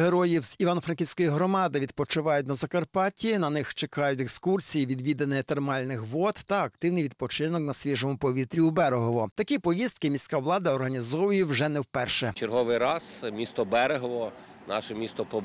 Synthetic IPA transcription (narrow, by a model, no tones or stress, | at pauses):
ɦeɾɔjiwz̥iʋanɔfɾɐnkʲiwʲsʲkɔjiɦɾɔmɑd̪ɪʋʲid̪̚pɔt͡ʃʊʋɑjʊt̬̚ʲnɐzɐkɐrpɑtʲinɐnɪxt͡ʃekɑjʊt̬ʲekskursʲijiʋʲid̪ʋʲid̪enɪjɛt̪ermɑlʲnɪxʋɔt̪ːɐɐkt̪ɪwnɪjʋʲid̪̚pɔt͡ʃɪnɔknɐsʲʋʲiʒɔmʊpɔʋʲit̪ɾʲiubɛɾeɦɔʋɔt̪ɐkʲipɔjist̪̚kɪmʲisʲkawlˠɑd̪ɐɔrɦɐnʲizɔʋʊjiwʒɛnɛwpɛrʃɛt͡ʃeɾɦɔʋɪjɾɑsmʲist̪ɔbɛɾeɦɔʋɔ | nɑ̰ʃɛmʲist̪ɔpɔ